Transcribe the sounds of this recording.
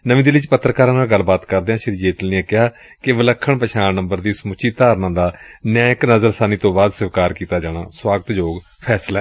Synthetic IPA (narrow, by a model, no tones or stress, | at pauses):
nəʋĩːd̪ilɪt͡ʃpət̪ːɾəkaːɾãːnaːlɡəlbaːt̪kəɾd̪eːãːʃɪɾiːd͡ʒeːt̪əlniɛ̃ːkɪɦaː | kɪʋələkʰːəɳpəʃaːmnəmbəɾd̪iːsmʊt͡ʃʰiːt̪aːɾnãːd̪aːnjãːɪknəzəɾsaːniːt̪õːbaːd̪səʋkaːɾkiːt̪aːd͡ʒaːɽ̃a̰ːswaːɡət̪d͡ʒoːɡ | pʰɛːslaːɛ